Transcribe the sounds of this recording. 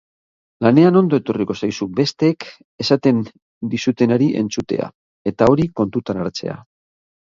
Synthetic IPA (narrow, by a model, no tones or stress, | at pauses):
lane̞ano̞nd̪o̞e̞t̪o̞riko̞sajsube̞st̪e̞k | e̞sat̪e̞n | d̪isut̪e̞naɾiʔe̞̰nt͡sut̪e̞̰a̰ | e̞t̪ao̞ɾiko̞nt̪ut̪anaɾt͡se̞̰a̰